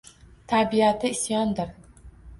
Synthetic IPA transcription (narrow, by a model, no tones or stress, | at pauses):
t̪ʰabiat̪ʰɪɪsjɒnd̪ɪɾ